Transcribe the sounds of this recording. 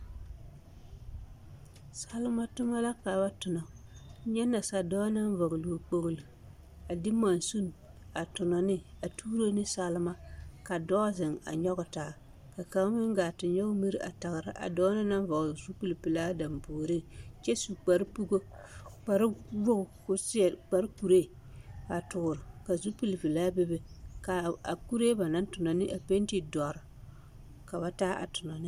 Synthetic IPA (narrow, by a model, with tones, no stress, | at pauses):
sa˦lɪ˦ma˦tʊ˦ma˦la˦ka˨ba˦tʊ˨nɔ˨˦ɲɛ˦nːa˨sa˨dɔː˦na˦n˦vɔ˨ɣlu˨k͡po˦˨ɣlɨ˨ | a˨dɪ˦ma˨nsu˦n˨ | a˨tʊ˨nɔ˨nɪ˦a˨tuː˦ɾo˦nɪ˦sa˦lɪ˦ma˦ka˨dɔː˦zɪ˨ŋa̰˨ɲɔ˦ɣʊ˨˦taː˨ | ka˨ka˦ŋ˦mɪ˦ŋ˦ɡa˨tɪ˨ɲɲɔ˦ʊ˦mi˦ɾʔa̰˨ta˨ɣɾɪ˦ʔa̰˨dɔː˦na˦na˦n˦va˨zu˦pi˦li˨pi˨laː˦da˨mboː˨ɾi˦t͡ʃɛ˦su˨k͡pa˨ɾpu˦ɡo˦ | k͡pa˨ɾwo˦ʊ˨kʊ˦sɪ˦˨k͡pa˨ɾku˨ɾe˦˨ | ba˨tʊ˨ɡʊ˨ɾɪ˨ka˨zu˦pi˦li˨pi˨laː˦bɪ˦bɪ˦ka˨a̰˨ku˦ɾe˦ba˨na˦n˦tʊ˨nɔ˨nɪ˦ʔa˨pe˦n˦ti˦dɔ˨ɾɪ˨ | ka˨ba˨taː˦ʔa̰˨tʊ˨nɔ˨nɪ˦